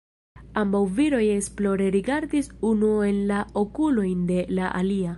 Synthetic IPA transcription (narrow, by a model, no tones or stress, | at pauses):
ambawviɾo̞je̞ksplo̞ɾe̞ɾiɡaɾdisunue̞nlaokulo̞jnde̞laʔa̰lia